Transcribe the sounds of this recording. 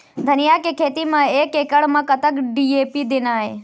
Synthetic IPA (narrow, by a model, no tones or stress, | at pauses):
d̪ʱənijakekʰeːt̪imãeːkekəɽmãkət̪əkɖieːpid̪ɪnaːe